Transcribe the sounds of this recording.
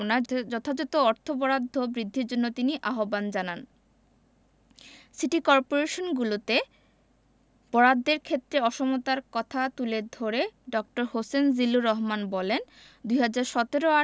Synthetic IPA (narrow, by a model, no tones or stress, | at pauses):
nad͡ʑɔt̪ʰad͡ʑɔt̪oɔɾt̪ʰobɔɾad̪ʱːobɾid̪ʱːiɾd͡ʑonːot̪iniʔaɦoband͡ʑanan | siʈikɔɾpoɾeʃonɡulot̪e | b̥ɔɾad̪ʱːeɾkʰet̪ːɾeɔʃomot̪aɾkɔt̪ʰat̪uleɾd̪ʱoɾeɖɔk̚ʈoɾhosend͡ʑiluɾɔɦmanbɔlen | d̪ujɦad͡ʑaɾʃɔt̪eɾoa